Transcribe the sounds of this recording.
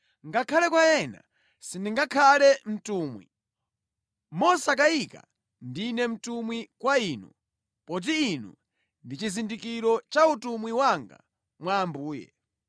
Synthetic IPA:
ŋɡakʰalɛkwaɛna̰ | sindiŋɡakʰalɛm̩tuːmwḭ | mɔsak̬aika̰ | ndinɛm̩tumwikwaiːnu | pɔt̬iːnṵ | ndit͡ʃizindikiɾɔt͡ʃautumwiwaŋɡa̰ | mwaːmbuːjɛ̰

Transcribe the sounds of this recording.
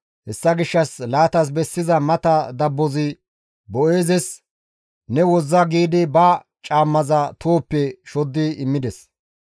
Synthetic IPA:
hɛsːɐɡɪʃːɐslaːt̪ɐs̬bɛsːɪzɐmɐt̪ɐd̪ɐbːɔzɪ | bɔʔe̞ːzɛs | nɛwɔzːɐɡiːd̪ɪbɐ | t͡ʃʼaːmːɐzɐt̪ʰoːpːɛʃɔd̪ːɪɪmːɪd̪ɛs

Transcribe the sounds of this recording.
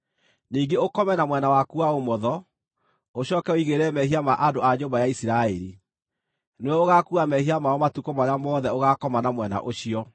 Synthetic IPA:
niːŋɡeokɔmɛnamwɛnawakuaomɔðɔ | oɕɔːkɛoiɣeɾɛmɛhiamaʔadoaɲoːmbajaisiɾaɛɾi | neɛoɣakuamɛhiamaɔmatukomaɾamɔːðɛoɣakɔmanamwɛna̰ʔoɕiɔ

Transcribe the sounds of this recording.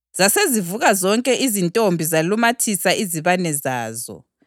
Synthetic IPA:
z̥asezivuɣazɔŋkʼɛʔizintʼombʱizalumatʰisaʔiziβanɛzaːzɔ̰

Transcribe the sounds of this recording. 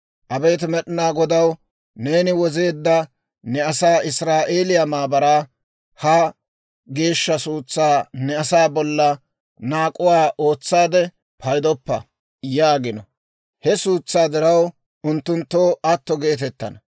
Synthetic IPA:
ʔɐbeːt̪ɪmɛɗɪnaːɡɔd̪ɐw | ne̞ːnɪwɔze̞ːd̪ːɐ | nɛɐsaːɪsɾaːʔe̞ːlɪjamaːbɐɾaː | hɐ | ɡe̞ːʃːɐsuːt͡sːaːnɛɐsaːbɔlːɐ | naːkʼʊwaːʔo̞ːt͡sːaːd̪ɛ | pʰɐjd̪ɔpːɐ | jaːɡɪnɔ | hɛsuːt͡sːaːd̪ɪɾɐw | ʊnt̪ːʊnt̪ːoːɐt̪ːɔɡe̞ːt̪̬ɛt̪ːɐ̰nɐ

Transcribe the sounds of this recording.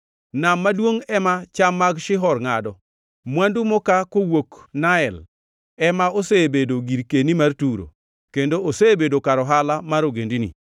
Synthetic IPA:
namːadwoŋɛmat͡ʃamːaɡʃɪɦɔrŋadɔ | mwandumɔkakowoknaɛl | ɛmaosebedoɡiɾkenimartuɾo̰ | kendoosebedokaɾɔɦalamaɾoɡendinḭ

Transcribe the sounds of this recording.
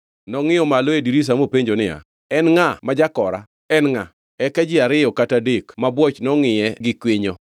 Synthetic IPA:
nɔŋɪjɔmaloediɾis̬amopeɲd͡ʒonɪa̰ | ɛnŋamad͡ʒakɔɾa̰ | ɛnŋa | ɛkad͡ʒɪaɾɪjɔkatadekmabwɔt͡ʃnɔŋɪjɛɡɪkweɲo

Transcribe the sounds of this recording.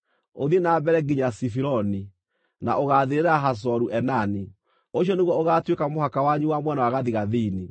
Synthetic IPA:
oðienaːbɛɾɛɡiɲasifiɾɔni | na̰ʔoɣaðeɾeɾaɦas̬ɔɾuʔɛnani | oɕjɔneɣwɔoɣatwekamohakawaɲuwamwɛnawaɣaðiɣaðini

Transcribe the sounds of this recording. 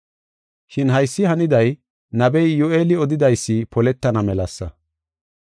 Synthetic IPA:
ʃɪnɦɐjsːɪhɐnɪd̪ɐj | nɐbɛjːʊeːlɪɔd̪ɪd̪ɐjsːɪpɔlɛt̪ːɐnɐmɛlɐsːɐ

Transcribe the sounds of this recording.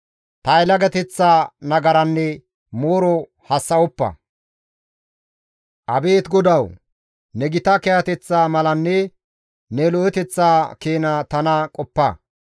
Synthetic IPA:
t̪ɐɛlɐɡɐt̪ɛt͡sːaːnɐɡɐɾɐnːɛ | mo̞ːɾɔ | hɐsːɐɔpːɐ̰ | ʔɐbe̞ːt̪ɡɔd̪ɐw | nɛɡɪt̪ɐkɛhɐt̪ɛt͡sːaːmɐlɐnːɛ | nɛlɔɛt̪ɛt͡sːaːke̞ːnat̪ɐnɐkʼɔpːɐ

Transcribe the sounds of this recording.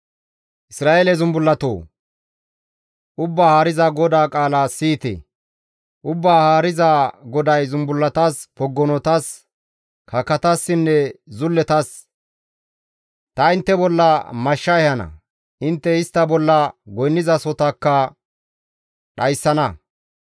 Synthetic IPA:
ʔɪsɾaːʔelɛzʊmbʊlːɐt̪o̰ː | ʔʊbːaːhaːɾɪzɐɡɔd̪aːkʼaːlasiːt̪ɛ̰ | ʔʊbːaːhaːɾɪzaɡɔd̪ɐjzʊmbʊlːɐt̪aːspɔɡːɔnɔt̪ɐs | kʰɐkːɐt̪asːɪnːɛzʊlːɛt̪ɐs | t̪ɐɪnt̪ːɛbɔlːɐmɐʃːɐɛhɐnɐ̰ | ʔɪnt̪ːɛɪst̪ːɐbɔlːɐɡɔjnːɪzɐsɔt̪ɐkːɐ | ɗɐjsːɐnɐ

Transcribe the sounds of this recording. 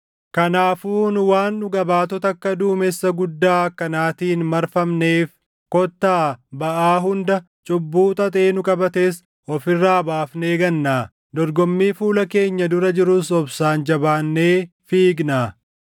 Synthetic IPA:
kɐnaːfuːnʊwaːnːʊɡɐbaːt̪ɔt̪ɐkːɐd̪uːmesːɐɡʊd̪ːaːkɐnaːt̪iːnmɐɾfɐmneːf | kɔt̪ːaːbɐʔaːɦʊnd̪ɐ | t͡ʃʼʊbːuːt̪ʼɐt̪ʼe̞ːnʊkʼɐbɐt̪eːs | ɔfɪrːaːbaːfne̞ːɡɐnːaː | d̪ɔɾɡɔmːiːfuːlɐke̞ːɲːɐd̪ʊɾɐd͡ʒɪɾʊsɔbsaːnd͡ʒɐbaːnːeː | fiːɡnaː

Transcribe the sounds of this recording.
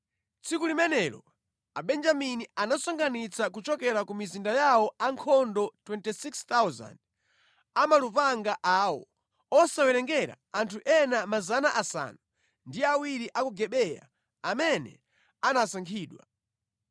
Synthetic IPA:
t͡sikulimɛnɛɾɔ̰ | aɓɛnd͡ʒaminianasɔŋɡanit͡sʰakut͡ʃɔkɛɾakumizindajawɔaŋkʰɔndɔtwɛntisikst̪awza̰nd̚ | amalupaŋɡaʔaːwɔ̰ | ɔsawɛɾɛŋɡɛɾa̰antʰuʔɛnamazanaʔasa̰nu | ndiawiɾiʔakuɡɛɓɛja̰ | amɛnɛ̰ | anasaŋkʰiːɗwa̰

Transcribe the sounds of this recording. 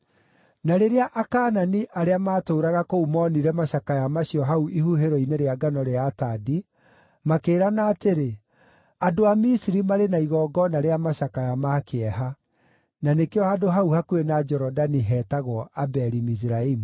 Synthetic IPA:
naɾeɾeaʔakaːnaniʔaɾeamaːtoːɾaɣakoumɔniɾɛmaɕakajamaɕiɔɦauʔihuɦeɾɔineɾeaɡanɔɾeatadi | makeːɾanaːteɾe | adoamisiɾimaɾenaiɣɔɡɔnaɾeamaʃakajamakʰeɛɦa | nanekeɔadoɦauhakuenad͡ʒɛɾɔdaniɦɛtaɣɔabɛɾimis̬iɾaimu

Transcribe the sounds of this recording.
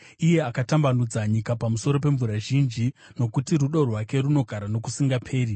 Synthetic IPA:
ije̞akatambanud͡zaɲikapamuso̞ɾo̞p̬e̞ɱvuɾaʒind͡ʒi | no̞kutiruɗorwake̞runo̞ɡʱaɾano̞kusiŋɡapʰe̞ːɾi

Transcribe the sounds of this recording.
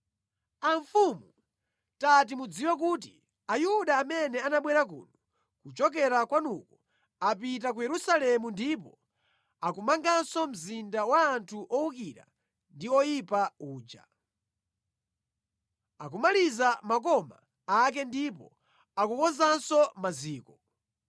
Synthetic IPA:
aɱfumu | tat̬imud͡ziwɛk̬ut̬i | ajuɗaːmɛnɛanaɓwɛɾak̬ṵːnɔ | kut͡ʃɔk̬ɛɾakwanukɔ | apit̬ak̬ujɛɾusalɛmundipɔ | akumaŋɡansɔm̩zindawaːntʰuʔɔukiɾa̰ | ndiɔjipauːd͡ʒa̰ | ak̬umalizamak̬ɔma̰ː | k̬ɛndipɔ | akukɔzansɔmaziːkɔ

